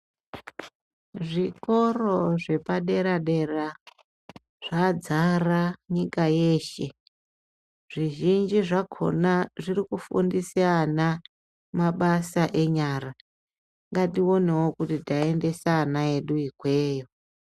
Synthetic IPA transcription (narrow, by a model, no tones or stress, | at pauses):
ʐiko̞ro̞ʐe̞paɗe̞ɾaɗe̞ra | ʐ̥ad͡zaraɲikaje̞ːʃe̞ | ʐ̥iʒind͡ʒiʐakʰo̞̰naʐiɾikufṵndisiana | maɓasaʔe̞ɲaːra | ŋɡatio̞newokutitae̞nde̞sanaeɗuikwe̞ːjo